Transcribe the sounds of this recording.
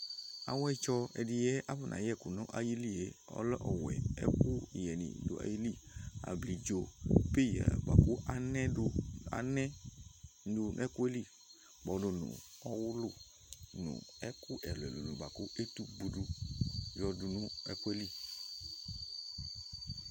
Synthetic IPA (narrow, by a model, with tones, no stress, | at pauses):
a̰˨wɛ˦t͡ʃɔ˧ɛ˨di˧jɛ˦ʔa˦bɛ˦˨nʔã̰˨jɛ˦˨ku˨nũ˦ʔa˨ji˦li˦˨e˨˦ɔ̰˦lɔ˦ʔɔ˨wɛ̰˨ɛ̰˦kʊ˦˨jɛ˨nḭ̃˨dṵ˨˦a̰˨ji˦li˦˨a̰˨bli˨d͡ʒo˨pe˦˨jɛ̰˨ba˨ku˦a˦nɛ̃˦dʊ˦a̰˦nɛ˦ | du˧n˦ɛ˦ku˦e˦li˦˨ | bɔ˨do˨nṵ̃˨ɔ˦wʊ˦lʊ˦ | nṵ̃˨ɛ˦kʊ˦ʔɛ˨lɛ̰˨lu˨nṵ̃˨ba˨ku˦e˦t̪u˦bu˨du˧jɔ˧du˧nũ˦ɛ̰˦ku˦ɛ˦li˦